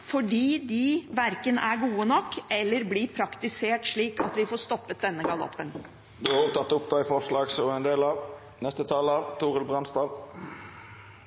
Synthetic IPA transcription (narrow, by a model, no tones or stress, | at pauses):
fɔɖiːd̪ɪʋæɾkənʔæɾɡuːənɔkːɛlːəɾblɪpʰɾɑkt̪ɪseːʈʂɭiːkɑt̪ʋɪfoːst̪ɔpːət̪̚d̪ɛnːəɡɑlɔ̰pːən | d̪ʉɑʁʊːt̪ɑt̪ːʊp̚d̪æɪfɔʂɭɑːɡsɔɛnd̪eːlɑʋ | nɛst̪ət̪ʰɑːlɑt̪ʰuːʁəlbʁɑnst̪ɑːʋ